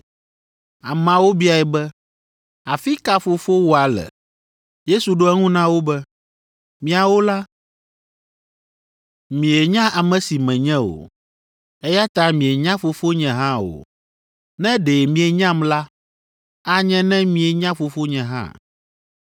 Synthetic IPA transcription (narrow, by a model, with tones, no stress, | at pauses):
a˨mã˨wo˦bi˦a˨ɛ˨bɛ˦ | a˨fi˦ka˦fo˨fo˦wo˦a˨lɛ̰˨ | je˦su˨ɖo˦ɛ˦ŋũ˦nã˦wo˦bɛ˦ | mĩ˦˨a˨wo˦la˦ | mĩ˨e˨ɲã˦a˨mɛ̃˨si˨mɛ̃˨ɲɛ̃˦o̰˨ | ɛ˦ja˦t̪a˦mĩ˨e˨ɲã˦fo˨fo˦ɲɛ̃˨ɦã˦o̰˨ | nɛ̃˦ɖe˨mĩ˨e˨ɲã˦mla˦ | a˦ɲɛ̃˦nɛ̃˦mĩ˨e˨ɲã˦fo˨fo˦ɲɛ̃˨ɦã̰˦